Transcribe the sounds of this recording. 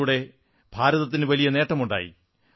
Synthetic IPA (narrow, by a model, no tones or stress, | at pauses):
uɽe̞ | b̥ʱaːɾɐðɐt̪ːinɨʋɐlijɐne̞ːʈːɐmuɳɖa̰ːjḭ